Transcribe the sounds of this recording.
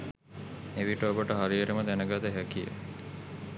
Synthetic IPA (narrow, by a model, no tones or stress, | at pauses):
eʋiʈəobəʈəɦaɾijəɾəməd̪ænəɡat̪əɦækijə̰